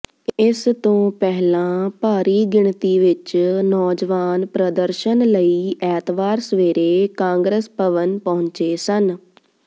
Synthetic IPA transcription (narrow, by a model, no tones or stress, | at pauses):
ɪst̪õːpɛɦlãːpaːɾiːɡɪɳ̃t̪iːʋɪt͡ʃnɔːd͡ʒʋaːnpɾəd̪əɾʃənləiːʔɛːt̪ʋaːɾsʋeːɾeːkãːŋɡɾəspəʋənpəɦʊ̃ɲt͡ʃeːsən